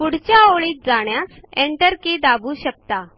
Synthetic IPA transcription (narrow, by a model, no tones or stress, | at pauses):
puɽ̤t͡ɕjaoɭiːt̪̚d͡zaɽjaseɳʈəɾkid̪abuːɕək̚t̪a